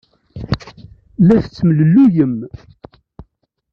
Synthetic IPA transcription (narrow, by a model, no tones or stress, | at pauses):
lːæθət͡sːmləlːujəm